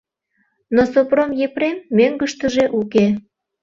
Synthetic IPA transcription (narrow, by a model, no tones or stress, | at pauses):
nosopromjepɾemːøŋɡəʃt̪əʒeʔuke